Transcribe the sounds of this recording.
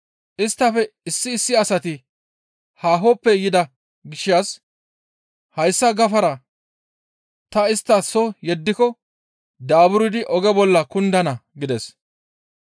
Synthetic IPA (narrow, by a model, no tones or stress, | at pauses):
ʔɪst̪ːɐfɛɪsːɪːsːɪɐsɐt̪ɪ | haːɦɔpːɛjɪd̪ɐ | ɡɪʃaːs | hɐjsːɐɡɐfɐɾɐ | t̪ɐɪst̪ːɐsɔjɛd̪ːɪkɔ | d̪aːbʊɾɪd̪ɪʔɔɡɛbɔlːɐkʊnd̪ɐnɐɡɪd̪ɛs